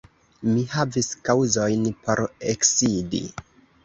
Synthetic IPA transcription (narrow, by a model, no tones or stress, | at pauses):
mihaviskawzo̞jnpʰo̞ɾeksidḭ